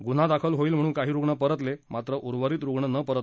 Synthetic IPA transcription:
ɡun̤ad̪akʰəlɦoiːlm̤əɽ̃uːnkaɦiːɾuɡɳəpəɾət̪lemat̪ɾəʔuɾʋəɾiːt̪ɾuɡɳənəpəɾət̪

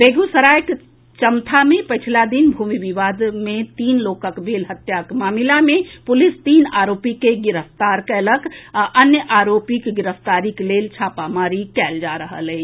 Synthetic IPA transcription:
beːɡusəɾaːjk | t͡ʃəmt̪ʰamẽpət͡ʃʰlad̪inbʱuːmiʋiʋaːd̪mẽt̪iːnloːkəkbʱeːlɦət̪jakmaːmɪlamẽpʊlɪst̪iːnaːɾoːpikeɡɪɾəft̪aːɾkeələɡʔənjəʔaːɾoːpikɡɪɾəft̪aːɾikleːlt͡ʃʰaːpamaːɾikɛːld͡ʒaːɾəɦə̰lɛ

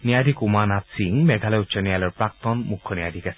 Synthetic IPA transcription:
nijadʱikumanatsiŋmɛɡʱalɛutsɔnijalɔɹpɹak̚t̪ɔnmukʰːɔnijadʱikasɛ̥

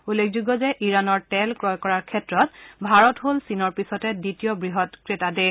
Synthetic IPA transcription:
ulːekʰzuɡɔzɛʔiɹanɔɹtɛlkɹɔjkɔɹaɹkʰɛtɹɔtbʱaɹɔtɦolsinɔɹpisɔtɛditijɔbɹiɦɔtkɹetade

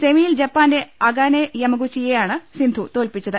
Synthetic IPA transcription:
semijild͡ʑɐpːaːneɐɡaːnejɐmɐɣut͡ɕːijejaːɳɨsind̪ʱut̪o̞ːlpit͡ɕːɐðɨ

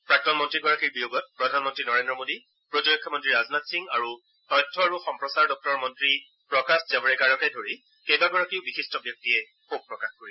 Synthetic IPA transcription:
pɹak̚tɔnmɔntɹiɡɔɹakiɹbijoɡɔt̚pɹɔdʱanmɔntɹinɔɹendɹɔmodi | pɹɔtuɹɔkʰːɔmɔntɹiɹaznatsiŋɡaɹu | tɔjtʰːɔaɹuxɔmpɹɔsaɹdɔk̚tɔɹmɔntɹi | pɹɔkaszabɔɹɛɡaɹɔkɛdʱoɹi | kejbaɡɔɹakiʊbixistɔbjɔk̚tijɛ | xob̚pɹɔkaxkoɹi

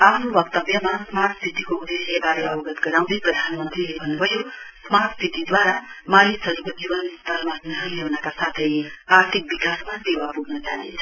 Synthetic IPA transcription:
apʰnubʌkt̪ʌbjʌmasmart̪st̪ʰit̪ikoud̪esjebaɾeʌbʌɡʌt̪ɡʌɾaw̃d̪ʌjprʌd̪ʱanmʌnt̪rilebʱʌnːubʱʌjosmart̪st̪ʰit̪id̪waɾamalisʌɾikod͡zibʌnst̪ʰʌlmanʌɦʌlewnakasat̪ʰʌjaɾt̪ʰik̚bikasmasewapuɡnʌt͡saɦit͡sʰʌ̥

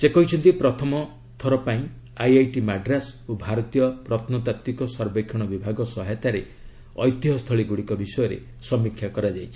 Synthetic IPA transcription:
sekɔɦit͡ʃʰɔnt̪ipɾɔt̪ʰɔmɔ | t̪ʰɔɾɔpaĩ | ajajʈimaɖɾasobʱaɾɔt̪ijɔpɾɔt̪ʰnɔt̪at̪ːikɔsɔɾbekʰjɔɽ̃ɔbibʱaɡɔsɔɦɛt̪aɾe | ɔjt̪iɦɔst̪ʰɔɭiɡuɽikɔbisɔjɔɾḛ | sɔmikʰːjakɔɾad͡ʒajt͡ʃʰi̥

